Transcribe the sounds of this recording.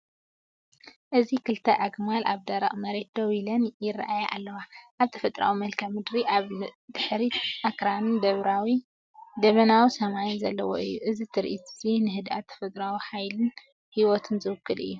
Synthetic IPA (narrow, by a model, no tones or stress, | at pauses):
ʔɨzikʰɨlt̪ʰɐʔaɡmala̰βd̪ɐɾɐ̰χʼmɐɾe̞t̪̚d̪owilɐnjɪrːa̰ʔajaʔa̰lːɐwaʔaβt̪ʰɐ̥fɐt̪ʼɾa̰wimɐlkʰɐmɨd̪ɾiʔaβd̪ɨħɾiʔakɾanɨnd̪ɐβɾawi | d̪ɐβɐnawisɐmajnzɐlːɐwo̰ʔɨjːuʔɨzit̪ʰɨɾʔit̪zinɨɦɨd̪ʔa̰t̪t̪ʰɐ̥fɐt̪ʼɾawiħajlɨn | hiwot̪ʰɨnzɨwɨkːɨlɨ̰jːu